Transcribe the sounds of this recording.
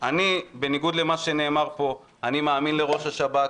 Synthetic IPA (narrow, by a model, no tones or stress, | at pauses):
anibe̞niɡud̪le̞maʃe̞ne̞ːmaʁpo̞ | animaːminle̞ʁo̞ʃaʃabat